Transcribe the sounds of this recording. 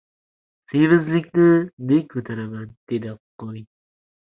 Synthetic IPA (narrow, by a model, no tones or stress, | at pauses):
sevɪzlɪkʲnɪnek̚kʰɵt̪ʰaɾamand̪̥ed̪ɪqʰoj